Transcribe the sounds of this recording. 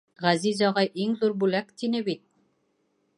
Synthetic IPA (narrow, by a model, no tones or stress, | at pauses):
ʁæzizɒʁɑjʔiŋðuɾbʉlækt̪inɘbit̪̚